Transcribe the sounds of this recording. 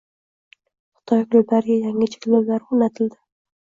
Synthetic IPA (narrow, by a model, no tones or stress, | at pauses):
χʊ̥t̪ʰɒjkʲloblaɾɡʲajaŋɪt͡ʃʰɪ̥kʲlowlaɾʊnat̪ʰɪld̪ɪ